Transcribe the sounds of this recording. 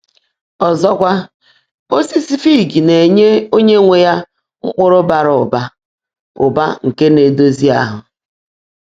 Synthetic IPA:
ɔ˨zɔ˦kʷa˦ | o˦si˦si˦fi˦˨ɡi˨ne˨ɲe˦o˦ɲe˦ŋʷe˨ja˦ | ŋ̩˦k͡pʊ˦ɾʊ˦ba˨ɾʊ˨ʊ˨ba˦ | ʊ˨ba̰˦ŋ̩˨ke˦ne˨do˦zi˦a˦ɦʊ˨

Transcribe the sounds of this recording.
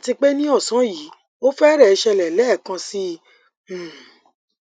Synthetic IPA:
ti˧k͡pe˦nĩ˦ɔ˦˨sã˨˦ji˨˦ | o˦fɛ˦ɾɛ˦˨˧ʃɛ˧lɛ˨lɛ˨˦˨kã˧si˦˨

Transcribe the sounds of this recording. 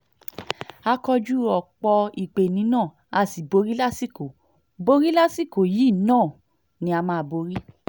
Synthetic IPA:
a˧kɔ˧d͡ʒu˦ɾɔ˨k͡pɔ˧i˨k͡pe˨nĩ˨˦nãː˦˨ | a˧˨si˨bo˧ɾi˦la˦si˦ko˨ | bo˧ɾi˦la˦si˦˨ko˨ji˦˨nãː˦˨ | nĩ˧˦a˧mãː˦˧˨bo˧ɾi˦

